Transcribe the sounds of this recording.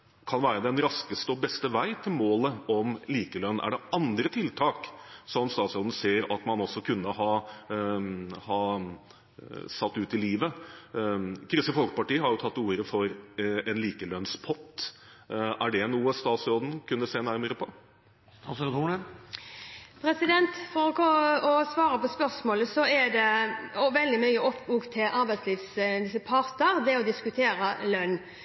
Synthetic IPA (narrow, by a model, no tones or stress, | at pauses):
kʰɑnʋæːɾəd̪ɛnɾɑskəst̪əɔbɛst̪əʋæɪt̪ʰɪlmoːləɔmliːkəlœnʔæ̰ɖɛʔɑnd̪ɾət̪ʰɪlt̪ʰɑːksɔɔmst̪ɑːt̪sɔd̪n̩seːɾɑt̪mɑnɔsːɔkʰʉnːəɦɑː | hɑː | sɑt̪ːʉːt̪ɪliːʋə | kʰɾʏsəfɔlkə̥pɑʈiːəhɑɾjʊt̪ʰɑt̪ːuːɾəfɔɾɛnliːkəlœnspʰɔt̪ː | æɖɛnuːəst̪ɑːt̪sɾoːd̪n̩kʰʉnːəseːnæɾməɾəpʰɔ | ɑsət̪uɳə | pʰɾɛsɪd̪ɛnt̪fɔɾɔkʰɔɔsʋɑːɾəpɔspœɾsmoːləsɔɛd̪ɛɔʋɛld̪ɪmœʏəɔpːuːkt̪ʰːɪlʔɑɾbæɪt̪sliːʋslɪsəpʰɑɾt̪əɾd̪ɛɔd̪ɪskʉt̪ʰeːɾəlœnː